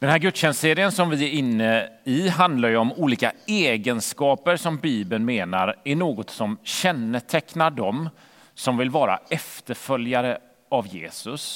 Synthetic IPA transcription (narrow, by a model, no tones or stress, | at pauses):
d̪ɛnhæːɾɡɵt̪ːɕɛnsseːɾɪənsɔmvɪæɾɪnːəɪɦand̪laɾjɵɔmuːliːkaɛːɡənskɑːpəɾsɔmbiːbənmeːnaɾæɳoːɡɔt̪sɔmɕɛnːət̪ʰɛknaɖɔm | sɔmvɪlvɑːɾa̰ɛft̪əɾfœljaɾə | avjḛːsɵs